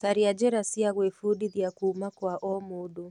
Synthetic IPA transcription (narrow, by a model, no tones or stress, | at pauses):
kaɾiad͡ʒɛɾasiaɣwefudiðjakuːmakwaʔɔmodo